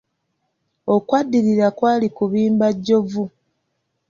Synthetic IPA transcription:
o̞kwadːiɾiɾakwaːlikuβiːmbaɟːo̞vu

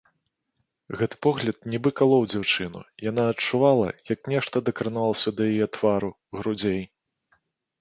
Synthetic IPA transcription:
ɣɛt̪ɨ̥pɔɣlʲɐt̪̚nʲɛbɨkalˠɔwd͡zʲawt͡ʂɨnṵjan̪aɐt͡ʂuvalˠɐ̰jɐknʲɛʂt̪ɐd̪ɐkɾɨnalˠɐsʲɐd̪ɐjajɛt̪vaɾu | ɣɾud͡zʲej

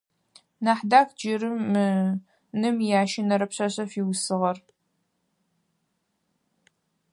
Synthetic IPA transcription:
naːħdaːkd͡ʒɪɾɨmːɨ | nɨmjaːʃɪnɐɾɐpɕɐɕʼɐfiwsɨʁɐr

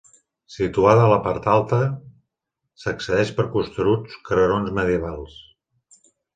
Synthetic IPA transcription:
sit̪uaðəələpaɾt̪alˠt̪ə | səksəðɛʃpəɾkust̪ɾut͡skɾəɾonzməðjəβalˠs

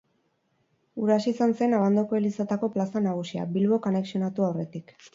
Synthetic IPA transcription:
uɾasisanse̞naβand̪okoelisat̪ako̞plasanaɣ̞usia̰bilβo̞kone̞ksio̞nat̪uawre̞t̪ik

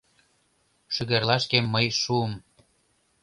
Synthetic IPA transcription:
ʃyɣerlɑʃkemːəjʃuəm

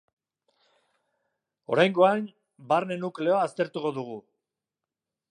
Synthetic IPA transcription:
o̞ɾajŋɡo̞an | baɾne̞nukle̞oaːst̪e̞ɾt̪uko̞ðuɣ̞u

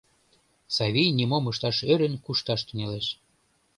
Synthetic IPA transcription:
sɑβʲijnimomɤʃt̪ɑʃøɾə̆nkuʃt̪ɑʃt̪yneleʃ

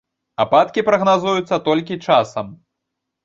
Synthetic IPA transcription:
apat̪kʲipɾɐɣnazujut̪sːɐt̪ɔlʲkʲit͡ʂasɐm

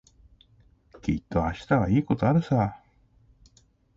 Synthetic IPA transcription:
kʲḭt̪ːo̞aɕi̥t̪aβaiːko̞t̪oaɾɯ̟sa

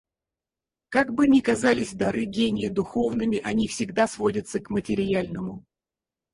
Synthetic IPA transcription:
kaɡbɨnʲɪkɐzalʲɪsʲd̪ɐɾɨɡʲenʲɪjəd̪ʊxo̞vnɨmʲɪʔɐnʲifsʲɪɡd̪asvo̞dʲət̪səkmətʲɪɾʲɪjalʲnəmʊ

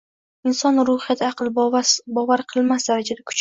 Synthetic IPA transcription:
ɪnsɒnɾʊhɪjat̪ʰɑqʰɨlˠbɒvaɾqʰɨlˠmasd̪aɾad͡ʒad̪akʰʊ̥t͡ʃ

